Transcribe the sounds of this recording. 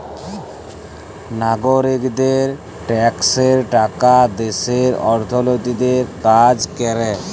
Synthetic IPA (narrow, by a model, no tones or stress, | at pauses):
naɡoɾikd̪eɾ | ʈɛkseɾʈakad̪eseɾɔɾt̪ʰɔlot̪id̪eɾkad͡ʒkɛɾɛ